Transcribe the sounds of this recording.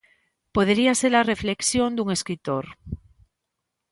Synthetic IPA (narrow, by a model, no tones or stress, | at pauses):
poð̞eɾiaseɾarefleksjond̪uŋeskɾit̪oɾ